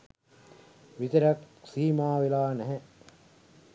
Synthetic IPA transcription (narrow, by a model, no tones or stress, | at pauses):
ʋit̪əɾaksiːmaːʋelaːnɛɦɛ